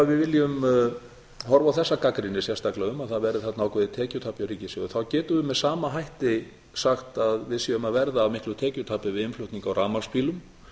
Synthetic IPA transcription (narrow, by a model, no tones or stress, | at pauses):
avɪðvɪljʏm | ɦɔɾvawθɛsːakakɾɪnːɪsjɛrst̪aklaʏmːaðθaðvɛɾɪθɛt̪naawkʰɛðɪt̪ʰɛːcʏt̪ʰaːpjawɾiːcɪsɪɣʏθawcɛːt̪ʏvʏmɛðsaːmaɦajht̪ɪ | saxt̪aðvɪðsiʏmaðvɛɾðaːvmɪhklʏt̪ʰɛːcʏt̪ʰaːpɪvɪðɪnflʏt̪niŋkawɾaːmaspiːlʏm